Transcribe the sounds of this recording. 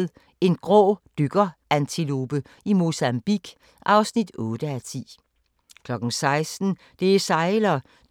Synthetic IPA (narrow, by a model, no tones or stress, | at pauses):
ð̩ˠ | e̝nɡ̥ʁɔ̰ːd̥yɡ̥ɐænt͡sʰilob̥ə | imo̝sæmb̥iɡ̥ | ʔɑ̈ʊsnid̥ɔːd̥əæt͡sʰḭː | kʰlɒ̽ɡ̥n̩sɑ̈ɪsd̥n̩ | d̥e̝sɑ̈ɪlɐ